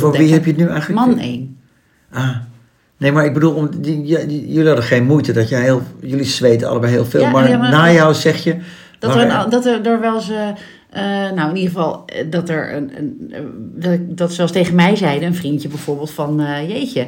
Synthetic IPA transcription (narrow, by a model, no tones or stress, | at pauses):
foʋiɛpjətnyɛjxəl̩əmɑnḛjn | aː | nejmaɹɪɡ̚bədulˠɔmjjølihɑdəχejnmujtədɔtjɛɦeːlˠjølisʋejtəɑ̰lˠəbɛjɦḛːlˠfeːlˠmaɹnaːjɔwsɛxjə | d̥aədɔtədoːɹʋɛlˠsə | ənowɪnidəχəvɑlˠdɔtəɹ̰ | dtkdɔtsɛlˠstejχənmɛjzɛjdəənfrintjəbɛjv̥oːɹbeːlˠtfɑnəjejçə